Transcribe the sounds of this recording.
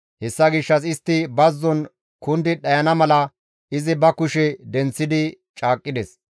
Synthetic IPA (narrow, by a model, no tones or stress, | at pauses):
hɛsːɐɡɪʃːɐs̬ɪst̪ːɪbɐzːɔn | kʊnd̪ɪɗɐjɐnɐmɐlɐ | ɪzɪbɐkʊʃɛd̪ɛnt͡sːɪd̪ɪ | t͡ʃʼaːkʼːɪd̪ɛs